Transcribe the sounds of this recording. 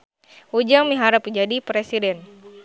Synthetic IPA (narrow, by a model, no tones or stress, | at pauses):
ud͡ʒaŋmiɦaɾap̚kəd͡ʒadipɾɛsidɛn